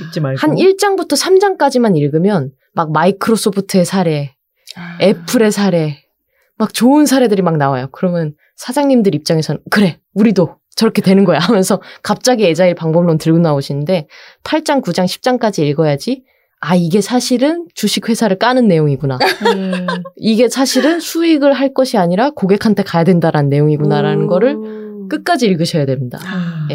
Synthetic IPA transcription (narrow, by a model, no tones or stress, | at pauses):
it͡ɕ͈iahaniɭt͡ɕ͈aŋbutʰʌsʰamd͡ʑaŋk͈ad͡ʑimaniɭɡɯmjʌn | mak̚maikʰɯɾos͈opʰɯtʰɯe̞sʰaɾe̞ | epʰɯɾe̞sʰaɾe̞ | mak̚t͡ɕoɯnsʰaɾe̞dɯɾimak̚nawajokɯɾʌmjʌn | sʰad͡ʑaŋɲimdɯɾip̚t͡ɕ͈aŋe̞sʰʌnɯnkɯɾe̞ | uɾido | t͡ɕʌɾʌkʰe̞twe̞nɯnɡʌjaɦamjʌnsʰʌkap̚t͡ɕ͈aɡie̞d͡ʑaiɭpaŋbʌmɭontɯɭɡonaoɕʰinɯnde̞pʰaɭt͡ɕ͈aŋkud͡ʑaŋɕʰi̥p̚t͡ɕ͈aŋk͈ad͡ʑiːɭɡʌjad͡ʑi | aiɡe̞sʰaɕʰiɾɯnt͡ɕuɕʰik̚ɸwe̞sʰaɾɯɭk͈anɯnːe̞joŋiɡuna | iɡe̞sʰaɕʰiɾɯnsʰuiɡɯɭɦaɭk͈ʌɕʰiaɲiɾakoɡe̞kʰantʰekajadwe̞ndaɾanɯnːe̞joŋiɡunaɾanɯnɡʌɾɯɭ | k͈ɯk͈ad͡ʑiːɭɡɯɕʰʌjadwe̞mɲida̰je